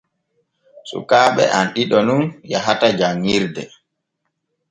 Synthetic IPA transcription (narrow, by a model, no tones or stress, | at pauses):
sṵkaːɓɛ̰ʔanɗiɗɔnunjaɦatad͡ʒaŋːiɾdɛ